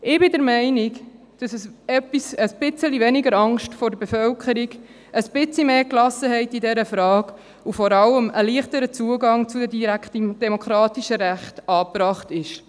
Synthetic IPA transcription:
ɪbɪdəɾmɛɪnɪk | d̥ɑsəsɛpːisəsb̥ɪt͡səlivɛnɪɡəɾɑŋʃtfɔɾdəbefœlkʰəɾiɡ | əsb̥ɪt͡slimeːklɑsəhɛɪtidɛɾəfɾɑːɡ | ufɔɾɑləməliːχtəɾət͡suəɡɑŋt͡sudɛdiɾæktd̥ɛmokʰɾɑːtiʃəɾæχtɑːpɾɑːχtɪʃ

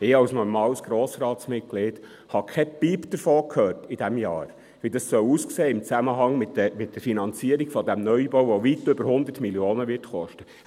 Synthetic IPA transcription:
ɪɑwsnɔɾmɑːwəsɡ̥ɾoːsɾɑːt̪smɪt̚ɡ̥leːd̥ | hɑkʰɛpipd̥̪əɾfoːkʰhøːrtid̥̪æmjɑ̰ːɾ | ʋidɑssœwuskseːɪmt͡sæməɦɑŋmɪtmɪt̚d̥̪əɾfinɑnt͡siəɾiɡ̥fɔd̪æmnœjbowʋɔʋitʏbəɾhʊnd̪ətmiljoːnəʋɪrtχɔʃtə

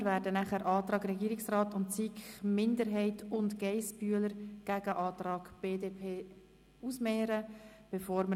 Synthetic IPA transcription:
ɾvæːɾdənæχæɾʔɑːt̪ɾɑːɡɾɛɡiːɾɪksrɑːtʊntt͡sikχmɪndəɾɦɛɪtʰʊntɡɛɪsb̥yələɾɡ̥æɡ̥əʔɑːt̪ɾɑːɡ̥b̥eːdeːpʰeː | usmɛːɾəb̥efoːɾmə

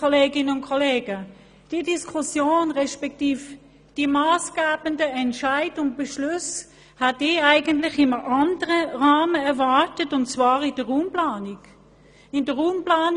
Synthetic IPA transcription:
ɔleːɡɪnəʊnkʰɔleːɡə | d̥idiskʰʊsjoːnʁɛʃpɛk̚tiːf | d̥imaːsɡ̥aːbəndəɛntʃaɪdʊnt̚b̥ɛʃlʉs | hatiaɪɡəntlɪχɪməʔɑndəʁəʁaːməɛɐvaʁtətʊntt͡svaːʁɪd̥əʁuːmplaːniɡ̥ | ɪndəʁuːmplaːn

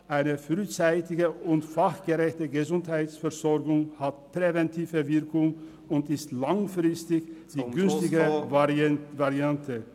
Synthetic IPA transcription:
ʔaɪnəfʁyːt͡saɪtɪɡəʊntfaχɡ̥əʁɛçtəɡəzʊnthaɪtsfɛɐzɔɐɡʊŋhat̚pʁ̥evɛntʰiːvəvɪɐkʊŋ | ʊntɪstlaŋfʁɪstɪçd̥iːɡʏnstɪɡə | vaʁiantʰə

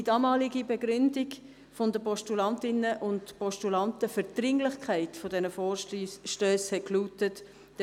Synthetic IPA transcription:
d̥idɑːmɑːliɡibɛɡɾʏndɪɡ | fondəpɔʃtulɑntɪnəʔʊntpɔʃtulɑntəfəɾd̥ɾɪŋlɪχkʰæɪtfodɛnəfɔːʃʃtøːshɛtkluːtət | d̥

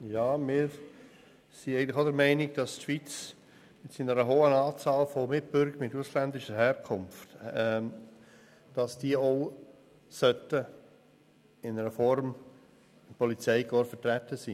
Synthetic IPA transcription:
jɑːmɪːɾ | siæɪɡəntlɪχoʊdəɾmɛɪnɪɡd̥ɑstʃʋit͡s | mɪtsinəɾəɦoːənɑːt͡sɑːlfomɪtb̥ʏɾɡəɾmɪtuslændɪʃəɦɛːɾkʰʊmftɛ | d̥ɑsd̥iːəoʊ | sœtə | ɪnəɾəfɔɾm | ɪnpɔlit͡sɛɪɡɔɾfətɾætːəsḭ

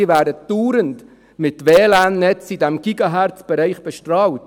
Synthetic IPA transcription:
ɪʋæːɾdəd̥uːɾənt | mɪtʋeːlæːnːɛt͡sidɛmɡ̥iɡɑɦæɾt͡sb̥ɛɾɛɪχb̥ɛʃtrɑːlt

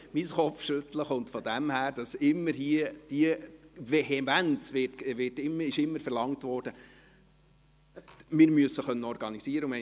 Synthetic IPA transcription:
misχɔpfʃɵt̪ləχʊntfɔd̥̪æmhæːɾd̥ɑsɪmːəɾhiəd̥iəvɛɦɛmænt͡sʋɪtʋɪtɪmːəɪʃɪmːəɾfɛɾlɑŋtʋɔːɾd̥ə | mɪɾmyəsːəχœnːəɔɾɡ̥ɑnisiəɾəʊmɛ

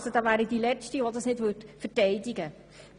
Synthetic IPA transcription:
sod̥ɑːvæːɾidilɛt͡ʃtiʋodɑsnɪdʋøtfərtɛɪdɪɡə

